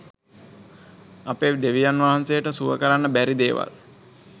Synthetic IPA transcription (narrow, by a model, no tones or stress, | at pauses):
apeʋd̪eʋijanʋaɦansejəʈəsuʋə̰kəɾanːəbæɾid̪eːʋa̰l